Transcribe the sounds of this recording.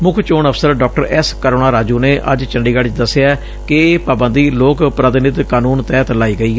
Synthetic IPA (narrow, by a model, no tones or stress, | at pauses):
mʊkʰt͡ʃoːɳəpʰsəɾɖɔːk̚ʈəɾɛskəɾoːnaːɾaːd͡ʒuːneːʔə̰d͡ʒt͡ʃəɳɖiːɡaɽɪt͡ʃd̪əsːeaː | kɪeːpaːbənd̪iːloːkpɾət̪ɪnɪt̪kaːnuːnt̪ɛːt̪laːiːɡəiːɛ